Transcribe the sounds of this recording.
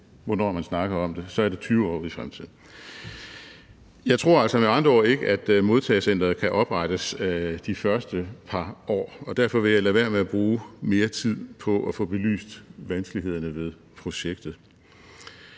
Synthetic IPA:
ʋɒnɒ̰mænsnɑ̈ɡ̥ɐɒ̽md̥e̝sɒ̽æɐɾe̝t͡sʰyːʊɒ̰ːifʁamt͡sʰið̰ˠn̩ | jɑ̈ɪt͡sʰʁo̝ɐæl̰sɒ̽meɑ̈nd̥ʁɐɒ̰ːe̝ɡ̥əʔæd̥mo̝ðˠt͡sʰɛ̰ːsen̰d̥ʁɐð̩ˠkʰæʔɒ̽b̥ʁɑɾ̥əsd̥ifɶɐsd̥əpʰɑ̈ɒ̰ːɒ̽d̥æɐ̰fɒ̽ʋe̝jɑ̈lɛʋæɐmeæb̥ʁuːme̝ːɐt͡sʰið̰ˠpʰɒ̽ʔɒfɔ̰̽ːb̥e̝ly̰ːsd̥ʋænsɡ̥liɦe̝ð̞̰ˠɐnəʋe̝ðˠ | pʰʁo̝ɕeɡ̥̚d̥ð̩ˠ

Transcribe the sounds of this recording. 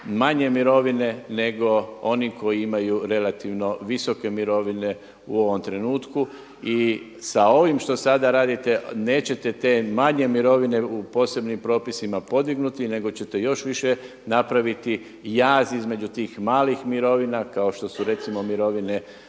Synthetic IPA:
maɲe̞miɾo̞ʋine̞ne̞ɡo̞o̞niko̞jiimajuɾe̞lat̪iʋno̞ʋisoke̞miɾo̞ʋine̞ | uo̞ʋo̞mt̪ɾe̞nuːt̪ku | i | sao̞ʋimʃt̪o̞sad̪aɾaːd̪it̪e̞ne̞ːt͡ɕe̞t̪e̞t̪e̞maɲe̞miɾo̞ʋine̞upo̞ːse̞bnimpɾo̞ːpisimapo̞d̪iɡnut̪ine̞ɡo̞t͡ɕe̞t̪e̞jo̞ʃʋiʃe | napɾaʋit̪i | jaːzizme̞d͡ʑut̪iːxmaːlixmiɾo̞ʋinakao̞ʃt̪o̞suɾe̞t̪simo̞miɾo̞ʋine̞

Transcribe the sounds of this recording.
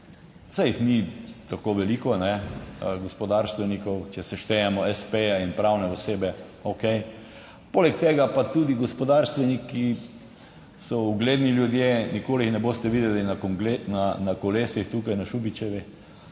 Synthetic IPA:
sajxnit̪akoʋɛliːkɔnɛɡɔspɔd̪aɾst̪ʋɛnikɔwt͡ʃɛsɛʃt̪ɛjamɔɛspejainpɾawnɛɔseːbɛ | okej | polɛkt̪eːɡapat̪ud̪iɡɔspɔd̪aɾst̪ʋɛnikːi | sɔuɡleːd̪niljud̪jenikoːlixnɛboːst̪ɛʋiːd̪ɛlinakɡlenanakɔleːsixt̪uːkajnaʃubit͡ʃɛʋi

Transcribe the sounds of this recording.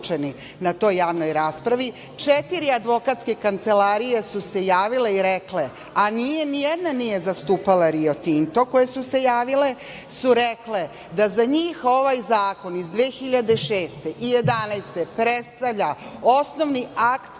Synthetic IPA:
t͡ʃeni | nat̪o̞ːjːaːʋno̞jɾaspɾaʋi | t͡ʂet̪iɾiad̪ʋo̞kat̪skekant̪se̞laɾije̞suse̞jaːʋile̞iɾekle | anijenijed̪nanije̞zast̪uːpalaɾio̞t̪int̪o̞ko̞jesuse̞jaːʋile̞ | suɾekle̞ | d̪azaɲiːxo̞ʋajzaːko̞nizd̪ʋeːxiʎad̪eʃeːst̪e̞ʔije̞d̪anajst̪e̞pɾet̪st̪aʋʎa | o̞sno̞ʋniakt̪

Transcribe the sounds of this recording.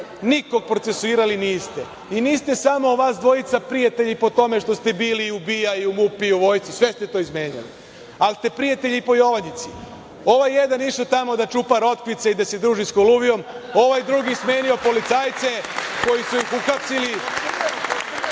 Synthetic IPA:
niko̞ɡ̚pɾo̞t̪sesuiːɾaliniːst̪e̞ | iniːst̪e̞samo̞ʋaːsd̪ʋo̞it̪sapɾijat̪e̞ʎipo̞t̪o̞me̞ʃt̪o̞st̪e̞biːliubijaiumupiuʋo̞ːjst̪sisʋe̞st̪e̞t̪o̞izme̞ːɲa̰lḭ | alst̪e̞pɾijat̪e̞ʎipo̞jo̞ʋaɲit̪si | o̞ʋajːe̞d̪aniʃot̪amo̞d̪at͡ʃupaɾo̞t̪kʋit̪seid̪ase̞d̪ɾuːʒiskoluʋijo̞mo̞ʋajd̪ɾuɡisme̞ːnio̞po̞lit̪saːjt̪se̞ko̞jisujixuxapsili

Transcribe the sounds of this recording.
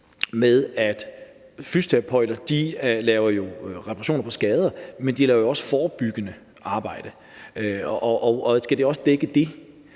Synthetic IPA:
meðˠæd̥ | fysd̥ʰɛpʰɒɪ̰l̥ɐd̥ilɛːʊɐjo̝ʁɛpʰɑʁɑɕjo̝̰ːnɐpʰɒ̽sɡ̥ɛːð̞ˠɐmend̥ilɛːʊɐjo̝ɒ̽sə̥fɒːb̥yɡ̥ənə | ɑ̈ːb̥ɑ̈ɪ̰d̥ə | ʔɒʔɒsɡ̥æd̥e̝ɒ̽səd̥eɡ̥əd̥e̝

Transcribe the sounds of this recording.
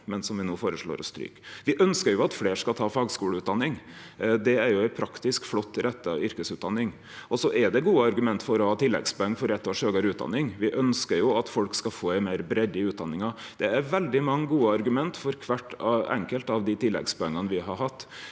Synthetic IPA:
mɛnsɔmʋɪnoːfoːɾəʂɭo̰ːɾɔst̪ɾy̰ːkʋɪʔœnskəɾjʊɑt̪fleːʂkɑlt̪ʰɑːfɑːɡskuːləʉːt̪̚d̪ɑnːɪŋd̪ɛæɾjʊæɪpʰɾɑkt̪ɪskflɔt̪ːɾʔɛt̪ːəɑ̰ʏɾkəsʉːt̪d̪ɑnːɪŋ | ʔɔsɔʔɛɖɛɡuːəɑɾɡʉmɛnt̪fɔɾɔhɑːt̪ʰɪlːɛ̰ɡspɔɛŋːfɔɾɛt̪ːɔʂøːɡəɾʉːt̪̚d̪ɑ̰nːɪŋʋɪʔœnskəɾjʊɑt̪fɔlkskɑfoːæɪmæɪɾbɾɛd̪əʉːt̪̚d̪ɑnːɪŋɑ | d̪̥ɛæɾʋɛld̪ɪmɑŋːəɡuːəɑɾɡʉmɛnt̪fɔɾkʰʋæʈːɑɛ̰ŋkəlt̪ɑʋd̪ɪt̪ɪlːɛ̰ɡspɔɛŋːənʋɪɦɑɾɦɑt̪ː

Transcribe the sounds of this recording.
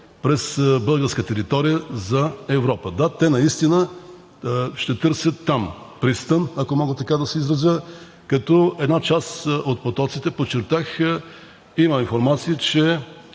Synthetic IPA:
pɾɛsbɤlˠɡəɾskət̪ɛɾit̪ɔɾijəzɐɛvɾɔpəd̪at̪ɛnɐist̪inə | ʃt̪ɛt̪ɤɾsʲət̪ːam | pɾist̪ənɐkomɔɡət̪ɐkad̪ɐsɛizɾɐzjə | kɐt̪ɔɛd̪nat͡ʃasot̪̚pot̪ɔt̪sit̪ɛpot͡ʃːɛɾt̪ax | imɐinfoɾmat̪siət͡ʃɛ

